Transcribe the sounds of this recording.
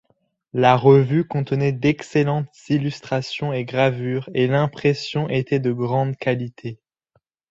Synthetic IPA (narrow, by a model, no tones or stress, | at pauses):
laʁəvykɔ̃t̪ənɛd̪ɛkselɑ̃t̪z̥ilyst̪χasjɔ̃eɡʁavyːʁelɛ̃pχesjɔ̃ʔet̪ɛd̪əɡʁɑ̃d̪kalit̪ʰe